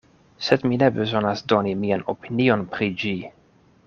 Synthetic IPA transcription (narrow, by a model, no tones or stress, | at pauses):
sɛd̪minebezonasd̪onimiano̰pʰinionpɾid͡ʒi